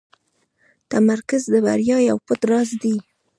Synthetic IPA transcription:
t̪amaɾkazd̪əba̰ɾjɑjawpət̪ɾɑzd̪i

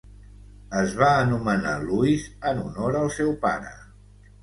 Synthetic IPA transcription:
əzβaːnuməna̰luizənunoɾəlˠsɛwpa̰ɾə̰

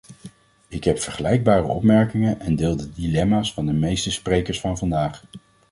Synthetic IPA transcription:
ɪkɦɛpfəɹχəlɛjɡ̚baːrə̰ɔ̰pmɛɹkɪŋənɛndɪːlˠdədilɛmaːsfɑndəmejstəsprejkəɹsfɑnvɑndaːχ

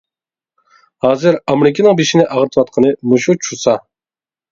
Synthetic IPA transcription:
hɑːzɨɾɑmɾɪkʲʰinɨŋbeʃinɪʔɑʁəɾt̪ʰɨwɑt̪̚qʰənɨmuʃut͡ʃʰusɑ

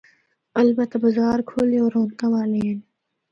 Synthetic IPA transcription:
əlbət̪abɐzaːɾkʰoːleoːɾõːnt̪ãʋaːlen

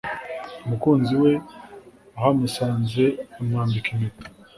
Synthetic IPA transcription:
umukuːnziwe | ahamusaːnzeumŋaːmbikime

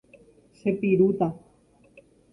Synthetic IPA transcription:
sepiɾut̪a

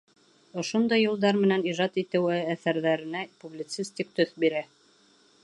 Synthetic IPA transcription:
ŏʃond̪ɑjːulˠd̪ɑɾmɘ̆næniʒɑt̪it̪ɘ̆wɘæθæɾðæɾɘ̆næpublʲit̪sisʲt̪ʲik̚t̪ɵθbiɾæ

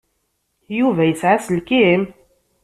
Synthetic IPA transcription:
juvæjəsʕasəlkim

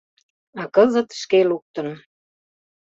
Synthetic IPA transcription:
ɑkɤzə̆t̪ʃkeluk̚t̪ə̆n

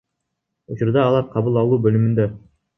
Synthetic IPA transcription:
ut͡ʃuɾd̪ɑːlˠɑɾqʰɑbulˠɑlˠuːbølymynd̪ø

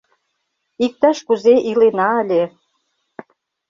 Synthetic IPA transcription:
ik̚t̪ɑʃkuzeʔilenɑəlʲe

